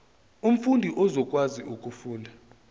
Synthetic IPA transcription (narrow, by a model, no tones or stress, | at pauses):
um̩fundʱiʔɔzɔkʼwaziʔukʼufuːla